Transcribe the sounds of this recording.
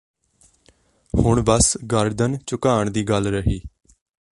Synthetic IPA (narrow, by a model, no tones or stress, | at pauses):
hʊɳbəsɡəɾd̪ənt͡ʃʊkaːəɳd̪iːɡəlɾəɦiː